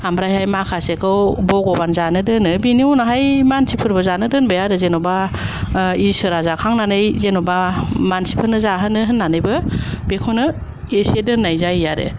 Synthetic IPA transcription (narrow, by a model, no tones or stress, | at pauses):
amɾajhajmakʰasekʰɯwbɔɡɔbanzanɯdɯnɯbiniɔnaɦajmansipʰɯɾbɯzanɯdɯnbɯjaɾɯzenɔba | isɯɾazakʰaŋnanɯjzenɔbamansi̥pʰɯnɯzaɦɯnɯɦɯnːanɯjbɯb̥ekʰonɯ | esedɯnːajzajjaɾɯ̰